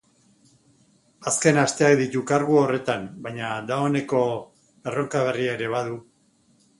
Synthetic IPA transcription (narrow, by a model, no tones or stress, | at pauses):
aske̞nast̪e̞ak̚d̪it̪ukaɾɣuore̞t̪anbajɲad̪aone̞ko̞ | e̞ro̞ŋkaβ̞e̞riaeɾe̞β̞aðu